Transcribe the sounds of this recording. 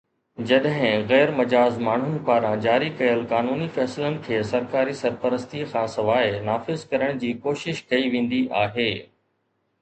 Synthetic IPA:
d͡ʑɐɗɦɪ̃ɣɛːɾmɐd͡ʑaːzmaːɳ̤ʊnɪ̆paːɾãd͡ʑaːɾikɐjəlkaːnuːnifɛːsɪlənɪ̆kʰeːsɐɾkaːɾisɐɾpəɾəst̪ixʰãːsɐʋaːɪnaːfɪzkɐɾəɽ̃d͡ʑiːkoːʃɪʃkɐiʋẽːn̆d̪iʔaːɦeː

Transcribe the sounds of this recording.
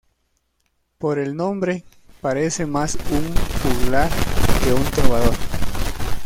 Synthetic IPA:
poɾe̞lnõ̞mbɾe̞ | paɾe̞se̞masuŋpuɣlaɾkeunt̪ɾoβaðo̞ɾ

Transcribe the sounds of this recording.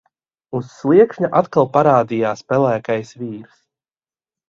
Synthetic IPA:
usːliɛkʃɲaʔat̪kalˠpaɾaːd̪ijaːspɛlæːkajsviːɾs

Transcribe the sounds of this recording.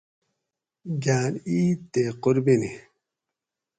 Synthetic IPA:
ɡaːniːt̪eːqʊɾbini

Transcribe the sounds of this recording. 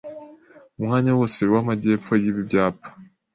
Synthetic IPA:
umŋaːɲawoseɾwamaɟe̞ːpfo̞jiβibɟaːpḁ

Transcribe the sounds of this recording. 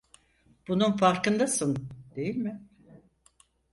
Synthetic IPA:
b̥ununfaɾkɯnd̪asɯnd̪̥e̞jilʲmɪ

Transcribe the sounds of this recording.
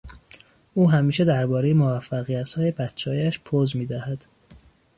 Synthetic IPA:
uːɦæmiːʃe̞d̪æɾbɒːɾe̞jemovæfːæɣijæt̪hɒːjebæt̪t͡ʃʰɒːiæʃpʰoːzmiːd̪æhæd̪̥

